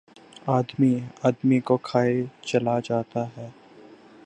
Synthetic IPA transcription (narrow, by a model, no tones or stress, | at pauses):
aːd̪miaːd̪mikokʰaːet͡ʃɐlad͡ʒaːt̪aɦɛː